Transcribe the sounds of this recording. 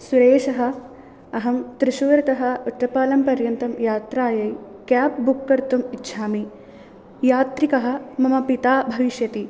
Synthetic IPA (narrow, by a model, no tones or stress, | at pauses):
suɾeːʃɐɦɐ̆ | ɐɦɐmt̪ɾɪʃuːɾɐt̪ɐɦɐ̆uʈːɐpaːlɐmpɐɾjɐnt̪ɐmjaːt̪ɾaːjɐj | kaːp̚bukːɐɾt̪umitːʃʰaːmi | jaːt̪ɾikɐɦɐ̆mɐmɐpit̪aːbʱɐʋiʃjɐt̪i